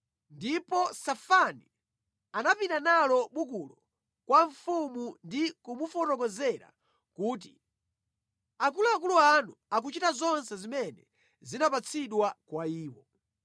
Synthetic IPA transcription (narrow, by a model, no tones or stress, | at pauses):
ndipɔsafani | anapinanalɔɓukulɔ | kwaɱfumundikumufɔtɔk̬ɔzɛɾa̰ | kuːt̬ḭ | akuluakuluanuak̬ut͡ʃitazɔnsɛzimɛnɛ̰ | zinapat͡sʰiɗwakwaiːwɔ